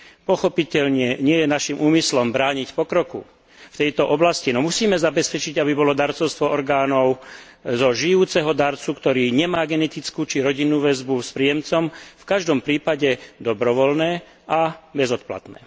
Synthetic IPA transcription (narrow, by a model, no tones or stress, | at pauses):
pɔxɔpicɛʎɲɪɛɲɪɛjɛnaʃimʔuːmislɔmbɾaːɲicpɔkɾɔkṵ | ft̪ɛjt̪ɔʔɔblascinɔmusiːmɛzabɛspɛt͡ʃiɟabibɔlɔd̪aɾt͡sɔʊst̪ʋɔʔɔɾɡaːnɔʊ | zɔʒijuːt͡sɛɦɔd̪aɾt͡sukt̪ɔɾiːɲɛmaːɡɛnɛt̪it͡skuːt͡ʃiɾɔɟinːuːʋɛzbuspɾijɛmt͡sɔmfkaʒd̪ɔmpɾiːpaɟɛd̪ɔbɾɔʋɔlnɛː | ʔabɛzɔt̪̚pla̰t̪nɛ̰ː